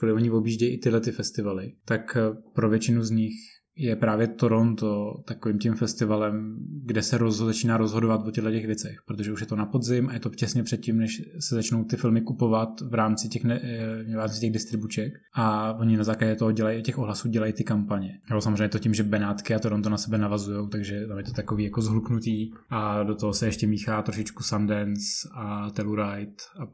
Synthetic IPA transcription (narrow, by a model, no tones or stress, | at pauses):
kolɪvoɲɪvo̞bjiːʒɟɛjiʔɪt̪ɪɦlɛt̪ɪfɛst̪ɪvalɪt̪akpɾovjɛt͡ʃɪnuzɲɪx | jɛpɾaːvjɛt̪o̞ɾont̪ot̪akoviːmcimfɛst̪ɪvalɛmɡdɛsɛɾozozat͡ʃiːnaːɾozɦo̞dovat̪vocɛɦlɛcɛxvjɛt͡sɛxpɾot̪oʒɛuʃjɛt̪o̞napodzɪmʔajɛt̪o̞cɛsɲɛpr̝̥ɛt̪̚cimnɛʃsɛzat͡ʃnowt̪ɪfɪlmɪkupo̞vat̪vɾaːmt͡sɪcɛxnɛvɾaːmt͡sɪcɛɣdɪst̪ɾɪbut͡ʃɛk | ʔavoɲɪnazaːklaɟɛt̪oɦoɟɛlajacɛxoɦlasuːɟɛlajit̪ɪkampaɲɛjosamzreɛɲɛt̪ocɪmʒɛbɛnaːt̪kɪat̪oɾont̪onasɛbɛnavazujowt̪aɡʒɛt̪amjɛt̪ot̪akoviːjako̞zɦluknut̪iː | ʔadot̪oɦosɛɛʃcɛmiːxaːt̪ɾoʃɪt͡ʃkusandɛnsat̪ɛluɾajt̪a